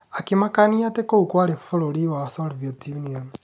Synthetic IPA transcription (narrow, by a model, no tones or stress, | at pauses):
akimakaniatekoukwaɾefoɾoɾiwasɔɾvjotjuniɔn